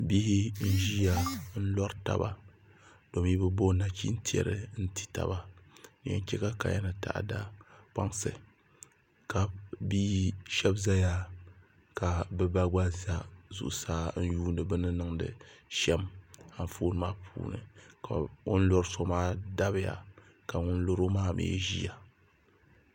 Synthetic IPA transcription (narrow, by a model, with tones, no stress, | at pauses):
bi˦hi˦n̩˦ʒi˦ja˨n̩˦lɔ˦ɾta̰˨ba̰˨ | d̥o˨m˦i˦bɨ˦bo˦na˨kʰʲḭ˦n̩˦ti˦ɛ̰˨ɾɨ̰˨n̩˦ti̥˦ta̰˨ba˦nɨ˨ɛ̰˦n˦kʲɛ˦ka˦ka̰˨ja˦nɨ˨ta̰˨ʔda˦k͡pa˦ŋsɨ̰˨ | ka˨biː˦ʃɛ˦bza˦ja˦ | ka˨bɨ˦ba˦ɡ͡ba˦za˦zṵ˨ʔʊ˦saː˦n̩˦juː˦n˦dɨ˨bɨ˦nɨ˦nɨ˦ŋdɨ̰˨ʃɛ˦ma˨ɱ˨foː˦nɨ˦maː˦pʰṵː˨nɨ̰˨ka˨ŋʊ˦n˦lo˦ɾso˦maː˦da˦bɨ˦ja̰˨ | ka˨ŋʊ˦n˦lo˦ɾo˦maː˦˨mʔḛ˨˦ʒḭ˦ja˨